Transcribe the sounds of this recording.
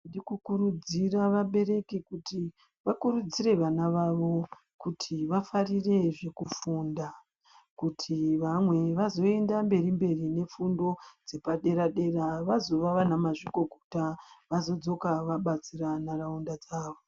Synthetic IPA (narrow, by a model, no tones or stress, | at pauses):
ndikukuɾud͡ziraʋaɓe̞ɾe̞kekuti | ʋakuɾud͡zire̞ʋanaʋaʋo̞ | kutʰiʋafarire̞ʐe̞kufunda | kutʰiʋamwe̞ʋazo̞e̞ndambe̞ɾimbe̞rine̞fundo̞d͡ze̞paɗe̞ɾaɗe̞raʋazo̞ʋaʋanamaʐikɡo̞ɡʱutaʋazo̞d͡zo̞kaʋaɓat͡siranaraundad͡zaːʋo̞